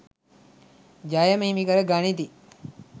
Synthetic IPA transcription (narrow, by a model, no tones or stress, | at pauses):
d͡ʒajəməɦimikəɾəɡanit̪i